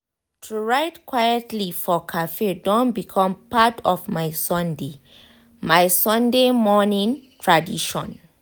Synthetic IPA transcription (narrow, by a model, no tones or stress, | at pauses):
tʰuɹaɪtkʰwajɛtʰlifɔkʰafedõnbikʰɔ̃mpatʰɔvmaɪsɔ̃nde | majsɔ̃ndemɔnĩntʰɹadiʃɔ̰̃n